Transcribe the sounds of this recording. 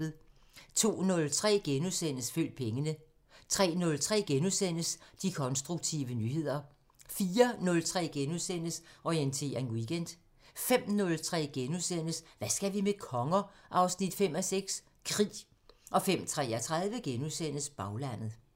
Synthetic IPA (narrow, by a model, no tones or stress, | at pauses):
ð̩ˠ | t͡sʰo̝̰ːnɔ̽lt͡sʰʁɛ̰ːɡ̥enusen̰əsfø̰l̰d̥̚pʰeŋənə | t͡sʰʁɛ̰ːnɔ̽lt͡sʰʁɛ̰ːɡ̥enusen̰əsd̥ikʰɒ̽nsd̥ʁuɡ̥t͡sʰiʋənyːhe̝ð̞̰ˠɐ | fiːɐnɔ̽lt͡sʰʁɛ̰ːɡ̥enuðˠsen̰əsɒient͡sʰe̝̰ːɐe̝nwiɡ̥en̰d̥ | fem̰nɔ̽lt͡sʰʁɛ̰ːɡ̥enusen̰əsʋæsɡ̥æʋimekʰɒ̽ŋɐʔɑ̈ʊsnid̥fem̰ɒseɡ̥s | kʰʁḭː | ʔɒ̽fem̰t͡sʰʁɛːɒt͡sʰʁɑð̞ˠʋəɡ̥enusen̰əsb̥ɑ̈ʊlæn̰ð̩ˠ